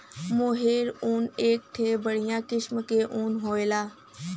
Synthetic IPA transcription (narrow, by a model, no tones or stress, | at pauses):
moːɦeːɾuːneːk̚ʈ̪ʰeːbəɽ̤ijãːkɪsmkeːʔuːnɦoːeːlaː